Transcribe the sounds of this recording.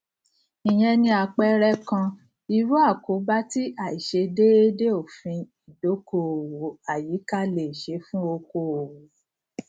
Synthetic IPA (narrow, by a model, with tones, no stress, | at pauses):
i˨j̃ɛ̃˧nĩ˧a˧k͡pɛ˦ɾɛ˦kã˧ | i˧ɾu˦a˦˨ko˨˦ba˦ti˦ʔa˦˨i˨ʃe˧de˦e˦de˦o˦˨fĩ˧i˨do˨˦ko˦˨wo˨˦a˦˨ji˨˦ka˦le˨ʃe˨˦fũ˦o˧ko˧o˨wo˨˦